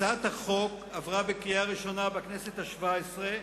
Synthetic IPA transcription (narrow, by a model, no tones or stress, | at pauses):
at̪haχo̞k | avʁabekʁijaʁiʃo̞nabakneset̪haʃvaesʁe